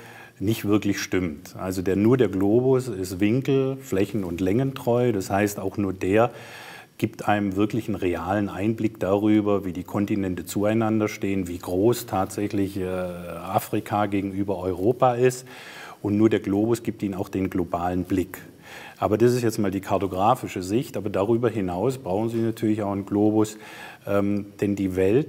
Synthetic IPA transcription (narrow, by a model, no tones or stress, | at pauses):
nɪçtv̥ɪɐklɪçʃtɪmtʔa̰lzodeːɐnuːɐdeːɐɡloːbʊsɪstv̥ɪŋkl̩flɛçn̩ʊntlɛŋəntʁ̥ɔʏdashaɪstaʊxnuːɐdeːɐ | ɡ̥iːptʔaɪnəmvɪɐklɪçən̩ʁeaːlənʔaɪnblɪkd̥aʁyːbɐviːdiːkʰɔntinɛntət͡suaɪnandɐʃteːənviːɡʁoːstʰaːtz̥ɛçlɪçɛʔaːfʁ̥ikʰaɡeːɡŋ̩yːbɐʔɔʏʁ̞oːpaɪst | ʔʊntnuːɐdeːɐɡloːbʊsɡ̥iːp̚tiːnənaʊxd̥eːnɡlobaːlənblɪk | ʔaːbɐdasɪstjɛt͡stmaːldiːkʰaɐtoɡʁaːfɪʃəzɪçtʔaːbɐdaʁyːbɐɦɪnaʊsb̥ʁaʊxn̩ziːnatʰyːɐlɪçaʊxənɡloːbʊsʔɛːmd̥ɛndiːvɛlt̚